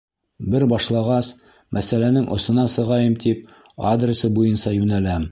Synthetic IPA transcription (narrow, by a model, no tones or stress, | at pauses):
bɘɾbɒʃlˠɑʁɑs | mʔæsælænɘŋʔŏsɤ̆nɑsɤ̆ʁɑjɤmt̪ip̚ | ad̪rʲɪsɤbujɤnsɑjʉnælæm